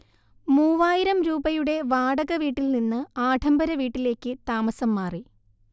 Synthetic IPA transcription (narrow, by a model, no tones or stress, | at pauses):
muːʋaːjiɾɐmɾuːbɐjuɽe̞ʋaːɽɐɣɐʋiːʈːilninːɨaːʈʰɐmbɐɾɐʋiːʈːile̞ːkʲːɨt̪aːmɐsɐmːaːri